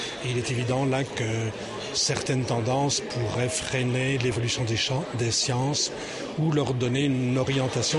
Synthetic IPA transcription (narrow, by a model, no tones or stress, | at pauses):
eilɛt̪evid̪ɑ̃lakə | sɛʁt̪ɛnt̪ɑ̃d̪ɑ̃spʰuʁɛfχenelevɔlysjɔ̃d̪eʃɑd̪esjɑ̃s | ulœʁd̪ɔneynnnɔʁjɑ̃t̪asjɔ̃